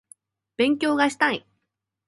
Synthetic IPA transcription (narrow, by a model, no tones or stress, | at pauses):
b̥ẽ̞ŋk̬ʲo̞ːɡaɕi̥t̪ai